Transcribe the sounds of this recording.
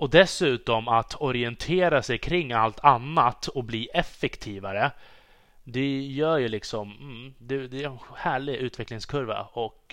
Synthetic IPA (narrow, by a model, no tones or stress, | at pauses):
ɔd̪ɛsʉ̟ːt̪ɔmat̪ʰɔɾɪɛnt̪ʰeːɾasɛjkʰɾɪŋːalt̪ʰanːat̪ːɔkbliːʔɛfːɛkt̪ʰiːvaɾə | d̪ɛjœːɾjɵlɪksɔm̩d̪ɛd̪ɛɛnhæːɭɪɡʔʉ̟ːt̪vɛklɪŋskʰɵɾva̰ɔk